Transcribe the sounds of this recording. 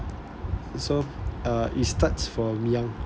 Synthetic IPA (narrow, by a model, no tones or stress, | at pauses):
soaistatsfɔmiãŋ